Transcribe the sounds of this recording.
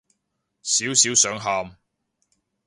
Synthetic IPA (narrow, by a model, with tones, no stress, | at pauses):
siː˨˥wsiː˨˥wsœː˨˥ŋɦaː˧m